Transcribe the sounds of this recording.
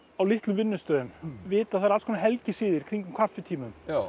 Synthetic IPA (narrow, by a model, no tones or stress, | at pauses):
awlɪht̪lʏvɪnːʏst̪œːðʏmvɪːt̪aθaːɾalskʰɔnaɦɛlcɪsiːðɪɾ̥kʰɾiɲcʏmkʰafːɛt̪ʰiːmʏm